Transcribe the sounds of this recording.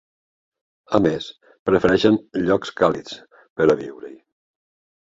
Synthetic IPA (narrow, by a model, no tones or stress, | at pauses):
əmes | pɾəfəɾɛʃənʎɔkskalit͡s | pəɾəβḭwɾə̰j